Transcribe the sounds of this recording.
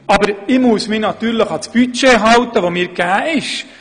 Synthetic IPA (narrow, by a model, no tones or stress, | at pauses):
ɑbəɾɪmuəsmɪːnɑt̪yːɾləχɑsb̥yt͡ʃeɦɑwt̪əʋomiːɾɡæːɪʃ